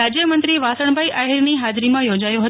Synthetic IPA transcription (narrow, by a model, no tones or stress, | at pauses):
ad͡ʒjəmənt̪ɾiʋasəɳ̃bʱaiʔaɦiɾniɦad͡ʒɾimãjod͡ʒajoɦə